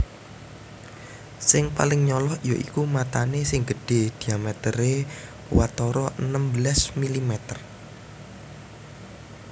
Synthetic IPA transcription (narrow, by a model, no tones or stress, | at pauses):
sɪŋpalɪŋɲɔlɔhijoʔikumat̪anesɪŋɡ̥əɖ̥e̤d̪̥iamɛt̪əɾe | wat̪ɔɾɔʔənəmbəlasmilimɛt̪ər